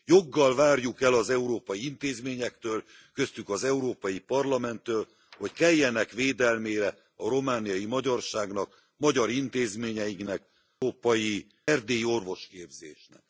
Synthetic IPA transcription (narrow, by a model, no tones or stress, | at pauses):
jo̞ɡːɒlvaːrjukɛlɒzɛuɾoːpɒjiint̪eːzmeːɲɛkt̪øːl | kø̞st̪ykɒzɛuɾoːpɒjipɒrlɒmɛnt̪ːøːl | ho̞ckɛjːɛnɛkʋeːd̪ɛlmeːɾɛ | ɒɾo̞maːnijɒjimɒɟɒrʃaːɡnɒk | mɒɟɒɾint̪eːzmeːɲɛjiknɛk | oːpɒji | ɛrd̪eːjio̞rvo̞ʃkeːbzḛːʃnɛ̰k̚